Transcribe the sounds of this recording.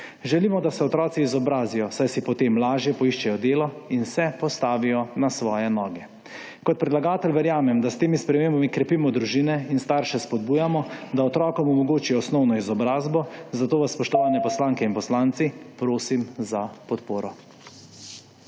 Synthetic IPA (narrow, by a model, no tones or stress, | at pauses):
ʒɛliːmɔd̪asɛɔt̪ɾɔːt̪siːzɔbɾaːzijɔsajsipɔt̪eːmlaːʒjɛpɔiʃt͡ʃɛjɔd̪eːlɔinsɛpɔst̪aːʋijɔnasʋɔːjɛnɔːɡɛ | kɔt̪̚pɾɛd̪laɡaːt̪ɛlʲʋɛɾjaːmɛmd̪ast̪eːmispɾɛmeːmbamikɾɛpiːmɔd̪ɾuʒiːnɛinst̪aːɾʃɛspɔd̪̚buːjamɔd̪aɔt̪ɾɔːkɔmumɔɡoːt͡ʃijɔːsnɔwnɔizɔbɾaːzbɔzat̪oːʋasspɔʃt̪ɔʋaːnjɛpɔslaːŋkɛinpɔslaːnt̪sipɾoːsimzapɔt̪poːɾɔ